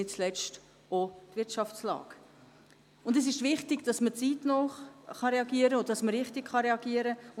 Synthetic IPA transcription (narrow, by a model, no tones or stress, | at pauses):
ɪt͡slɛt͡st | otʋɪɾtʃɑft͡slɑ̰ːɡ̥ | ʊndɛs̬ɪʃʋɪχtɪɡd̥ɑsmət͡siːtnɔχχɑɾɛɑɡiːəɾəodd̥ɑsməɾɪχtɪkχɑɾɛɑɡiːəɾəʊ